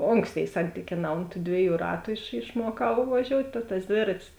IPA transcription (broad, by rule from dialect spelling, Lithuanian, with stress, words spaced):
ˈoːŋksʲˌtʲeːɪ ˈsɐnʲtʲiːkʲeːˌnɑː oːnt tuː ˈdʲʋʲiɛˌjuː ˈrɑːtʊ ɪʃ ɪʃˈmuɔkɐʊ ʋɐˈʒʲoːʊtʲ tɐ tɐs ˈdʲʋʲeːrɐtʲɪs